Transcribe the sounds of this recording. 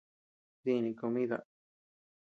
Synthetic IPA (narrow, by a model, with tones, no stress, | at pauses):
ði˧nĩ˧ko˧mĩ˦ða̰˧